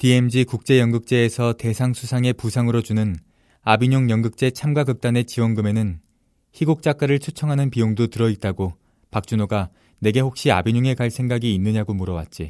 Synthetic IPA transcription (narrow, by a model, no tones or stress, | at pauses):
tie̞md͡ʑikuk̚t͡ɕ͈e̞jʌŋɡɯk̚t͡ɕ͈e̞ːsʰʌte̞sʰaŋsʰusʰaŋe̞pusʰaŋɯɾod͡ʑunɯn | abiɲoŋjʌŋɡɯk̚t͡ɕ͈e̞t͡ɕʰamɡwaɡɯk̚t͈ane̞t͡ɕiwʌnɡɯme̞nɯn | çiɡuk̚t͡ɕ͈ak͈aɾɯɭt͡ɕʰut͡ɕʰʌŋɦanɯnpijoŋdotɯɾʌit̚t͈aɡo | pak̚t͡ɕ͈unoɡa | ne̞ɡe̞hok̚ɕ͈ia̰biɲuŋe̞kaɭsʰe̞ŋɡaɡiːnːɯɲaɡomuɾʌwa̰t̚t͡ɕ͈i